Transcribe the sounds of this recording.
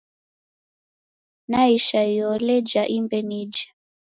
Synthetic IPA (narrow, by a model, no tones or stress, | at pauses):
naiʃaiɔlɛd͡ʒaʔimbɛnid͡ʒḁ